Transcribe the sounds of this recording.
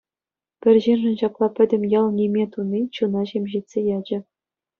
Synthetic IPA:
pʲɘ̆rʲʑinʐɤ̆nɕɑklˠɑpʲɘ̆dʲɘ̆mʲjɑlˠnʲimʲet̪unʲːit͡ɕunɑɕemʲʑitʲsʲejɑd͡ʑɘ̆

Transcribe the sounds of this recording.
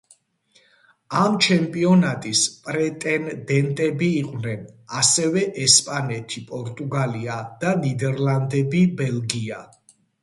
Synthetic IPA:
amt͡ʃʰɛmpʼiɔnat̪ʼispʼɾɛt̪ʼɛnd̪ɛnt̪ʼɛbiːqʼwnɛnasɛvɛʔɛspʼanɛt̪ʰipʼɔɾt̪ʼuɡaliad̪̥anid̪ɛɾland̪ɛbibɛlɡia

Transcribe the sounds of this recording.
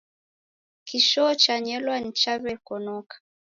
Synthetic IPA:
kiʃɔt͡ʃaɲɛlwan̩t͡ʃaβɛkɔnɔkḁ

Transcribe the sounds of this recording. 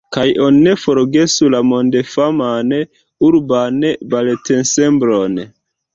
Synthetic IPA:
kajʔo̞nine̞fo̞ɾɡe̞sulamo̞ndefaman | uɾbanebalete̞nse̞mbɾo̞n

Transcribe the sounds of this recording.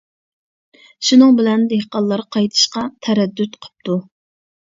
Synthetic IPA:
ʃunɨŋbɪlɛnd̪ehqɑlˠːɑɾqʰɑjt̪ʰɨ̥ʃqɑt̪ʰɛɾɛd̪ːyt̪qʰə̥p̚t̪u

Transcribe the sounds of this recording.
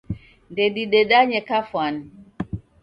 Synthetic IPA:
ndeɗiɗeɗaɲɛkafwan

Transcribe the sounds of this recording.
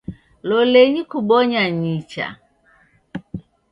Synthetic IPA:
loleɲikuɓɔɲaɲit͡ʃa̰

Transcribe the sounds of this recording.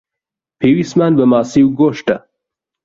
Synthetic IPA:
pʰiwismanbɐmaːsiwɡoːʂʈa̰

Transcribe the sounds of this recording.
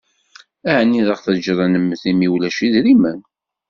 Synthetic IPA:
æʕnːiðəχθəd͡ʒɾˤɑnəmːəθimiwlæʃiðɾimæn

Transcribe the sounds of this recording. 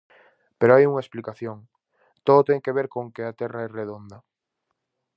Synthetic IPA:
peɾoajuŋaesplikaθjoŋ | t̪oðot̪ɛŋkeβ̞eɾkoŋkeat̪ɛraɛreðond̪ɐ

